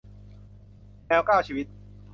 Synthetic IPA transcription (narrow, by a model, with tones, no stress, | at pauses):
nɛː˧wkaː˥˩wt͡ɕʰiː˧wi˦˥t̪̚